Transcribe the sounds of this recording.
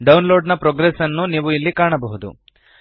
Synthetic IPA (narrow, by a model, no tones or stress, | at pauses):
ɖɐwnlo̞ːɾɖnɐpɾoːɡɾesɐnːuniːʋuilːikaːɳɐbɐɦud̪ṵ